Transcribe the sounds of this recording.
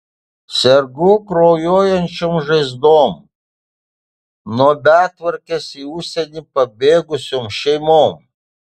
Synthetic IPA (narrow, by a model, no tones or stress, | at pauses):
sʲɛɾɡʊkɾoːjoːjɛnʲt͡ʃʲoːmʒɐɪzd̪oːm | nuɔbʲæːˑt̪ʋɐɾʲkʲesiːʊʃʲsʲɛnʲipɐbʲeːɡʊsʲoːmʃʲɛɪmoːm